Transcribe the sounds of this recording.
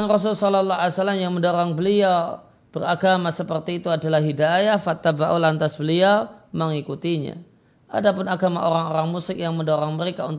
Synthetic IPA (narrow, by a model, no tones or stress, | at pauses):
ŋrɔs̬ʊlsɔlɔlːɔaljasalːamjaŋməndoɾaŋbəliaw | b̥əraɡamasəpərt̪iːt̪uadalahɦidajahfat̪ːabaʔulant̪asbəliawməŋikut̪iɲa̰ | ʔa̰dapʊnaɡamaʔoɾaŋoɾaŋmusɪk̚jaŋməndoɾaŋməɾekaunt̪